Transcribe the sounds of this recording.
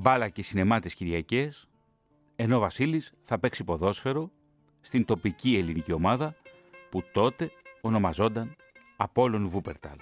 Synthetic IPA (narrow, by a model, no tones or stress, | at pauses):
bɐlɐcesine̞mɐt̪esciɾʝɐce̞s | e̞no̞vɐsilisθɐpe̞ksipo̞ðo̞sfe̞ɾo̞ | st̪int̪o̞picie̞linicio̞mɐðɐ | put̪o̞t̪e̞o̞no̞mɐzo̞nd̪ɐn | ɐpo̞lo̞nvupe̞ɾt̪ɐ̰l